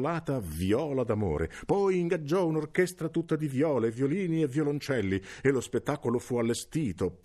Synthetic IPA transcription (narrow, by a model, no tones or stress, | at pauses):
laːt̪avjɔːlad̪amo̰ːɾḛpɔjiŋɡad͡ʒːɔunorkɛst̪ɾat̪ut̪ːad̪ivjɔːlevjoliːnievjolont͡ʃɛlːielːospet̪ːaːkolofualːest̪iːt̪o